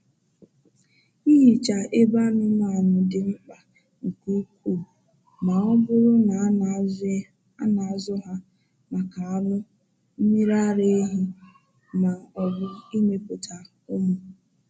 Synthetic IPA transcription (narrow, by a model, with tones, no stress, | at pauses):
i˦ɦi˨t͡ʃa˨ʔe˦ba˦nʊ˦na˨a˨nʊ˨dɪ˨ŋ͡m̩˦k͡pa˨ | ŋ̩˨ku˦kʷu˦˨ | ma˨ɔ˦bʊ˦ɾʊ˦na˨˦ | a˦na˨zʊ˦ɦa˦ | ma˨ka˨a˨˦nʊ˦ | m̩˦mi˦ɾa˦ɾe˦ɦi˦ | ma˨ɔ˨bʊ˦i˦me˨pʊ˨tʰa˨ | ʊ˦mʊ˨